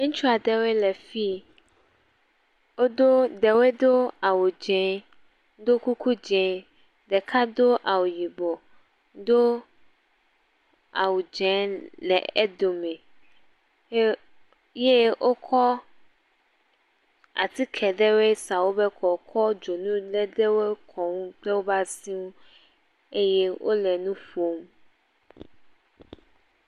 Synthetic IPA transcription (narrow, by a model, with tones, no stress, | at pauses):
mũ˦t͡ʃu˦a˨d̪ɛ˦we˦lɛ˨fi˦ | wo˦d̪o˦d̪ɛ˨we˦d̪o˦a˨wu˨d͡ʒɛ̃˨˦ | d̪o˦ku˦kʰu˦d͡ʒɛ̃˨ | d̪ɛ˨kʰa˦d̪o˦ʔa˨wu˨ji˨bo˨ | d̪o˦ | a̰˨wu˨d͡ʒɛ̃˦lɛ̰˨ɛ̰˦d̪o˨mɛ̃˨ | je˦ʔo˦kʰɔ˦ | a̰˨t̪i˦kʰɛ˨ɖɛ˦we˦sa˨wo˦bɛ˦kʰɔ˨kʰɔ˦d͡ʒo˨nũ˦lɛ˦ɖe˦we˦kʰɔ˨ŋũ˦k͡plɛ˦wo˦ba˦si˦wũ˦ | e˦jɛ˦wʔo̰˦lɛ˨nũ˦ɸo˦m